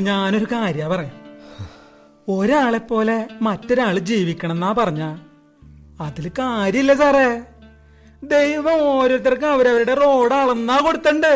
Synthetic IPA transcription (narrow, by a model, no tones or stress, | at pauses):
ɲaːno̞ɾukaːɾjapɐrɐja | o̞ɾaːɭe̞pːo̞ːle̞mɐtːo̞ɾaːɭɨd͡ʑiːʋikʲːɐɳ̃enːaːpɐrɐɲːaː | ɐðilkaːɾjɐilːɐsaːre | d̪e̞jʋɐmoːɾoɾɐt̪̬ːɐrkɨɐʋɐɾɐʋɐɾuɽe̞ro̞ːɽaːɭenːaːko̞ɽut̪ːɐɳɖɨ